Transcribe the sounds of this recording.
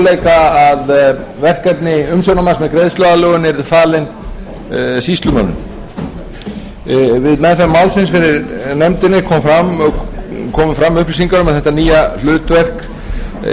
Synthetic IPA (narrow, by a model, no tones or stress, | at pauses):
lejkaað | vɛr̥kat̪nɪʏmsœwnamasmɛðkɾejðst̪œɣalœːɣʏnɛɾfaːlɪn | sist̪lʏmœ̰nʏ̰m | vɪðnaːjθamawlsɪnsfɪɾɪɾnɛmt̪ɪnɪkʰɔːmfɾamɔkʰɔːmʏfɾamːʏhplisiŋkaɾʏmaðθɛht̪aniːjal̥ʏːt̪vɛr̥k